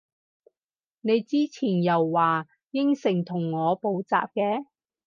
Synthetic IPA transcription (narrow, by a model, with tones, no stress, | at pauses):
ne˨˧jt͡siː˥t͡sʰiː˨˩njɐ˨˩wːaː˨ | jɪ˥ŋsɪ˨˩ŋt̪ʰʊ˨˩ŋːɔː˨˧po˨˥wt͡sa̰ː˨p̚kɛː˧˥